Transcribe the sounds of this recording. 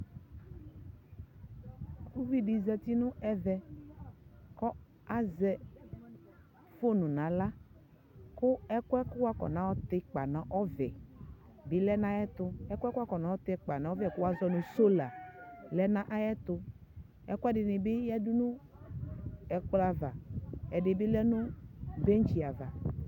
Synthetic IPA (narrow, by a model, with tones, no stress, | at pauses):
ku˦vi˦di˨zɛ˨t̪i˦nʊ̃˦ʔɛ˦vɛ˨ | kɔ˦ | a˦zɛ˨ | fo˦nʊ̃˨nã˨˦la˦ | kʊ˦ɛ˦kɛ˦kʊ˦wa˦kɔ̰˨nã˨˦wɔ˦t̪ɪ˦k͡pa˨nã˨ʔɔ˦vɛ˨ | bɪ˦lɛ˦nã˦jɛ˦t̪ʊ˦ɛ˦kʷɛ˦ka˦kɔ˨nã˨˦ɔ˦t̪ɪ˦k͡pa˨nã˨˦ɔ˦vɛ˨kʊ˦wa˦zɔ˦nʊ̃˨so˦la˨lɛ˦nã˦ʔa˦jɛ˦t̪ʊ˧ | ɛ˦kʊ˦ɛ˦dɪ˨nɪ˨bɪ˦jɛ˦du˦nũ˦ | ɛ˨k͡pla˨va˨ɛ˨dɪ˨bɪ˦lɛ˦nʊ̃˦be˦n˦t͡ʃi˨a˨va˨